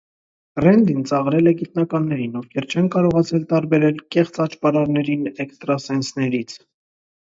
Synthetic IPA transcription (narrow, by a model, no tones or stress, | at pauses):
rɛnd̪int͡sɑʁɾɛlɛɡit̪nɑkɑnːɛɾinɔvkʰɛɾt͡ʃʰɛnkɑɾɔʁɑt͡sʰɛlt̪ɑɾbɛɾɛlkɛχt͡sɑt͡ʃpɑɾɑɾnɛɾinɛkst̪ɾɑsɛnsnɛɾit͡sʰ